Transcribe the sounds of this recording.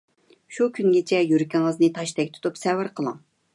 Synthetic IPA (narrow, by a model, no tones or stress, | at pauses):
ʃukʲʰynɡʲet͡ʃʰɛjyɾkʲiŋəznɨt̪ʰɑʃt̪ʰɛkʲt̪ʰu̥t̪upsɛwɪɾqʰəlˠɨŋ